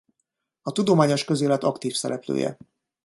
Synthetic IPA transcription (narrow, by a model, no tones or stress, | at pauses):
ɒt̪ud̪omaːɲo̞ʃkø̞zeːlɛt̪ɒkt̪iːfsɛɾɛplø̰ːjɛ̰